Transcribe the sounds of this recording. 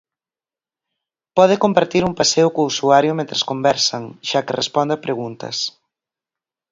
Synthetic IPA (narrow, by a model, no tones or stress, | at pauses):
pɔð̞ɪkompaɾt̪iɾumpaseʊkousuaɾjʊmẽnt̪ɾeskombɛɾsɐŋʃakɪrespɔnd̪apɾeɣunt̪ɐ̰s